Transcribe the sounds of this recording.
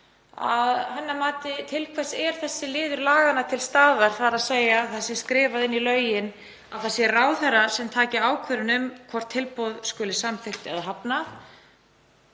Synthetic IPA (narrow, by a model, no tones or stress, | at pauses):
aðhanːamaːt̪ɪt̪ʰɪlkʰvɛsɛɾ̥θɛsːɪlɪːðʏɾlaːɣanat̪ʰɪlst̪aːðaɾ̥θaɾaðseːjaθasɛ̥skɾɪːvaðɪnːilœːɥjɪn | awθɛsːɛrraːwθɛrːasɛmt̪ʰaːcɪaːwkʰvœɾɪnʏmkʰvɔr̥t̪ʰːɪlpowðskʏːlɪsamθɪxt̪ɛ̰ðaɦapnaθ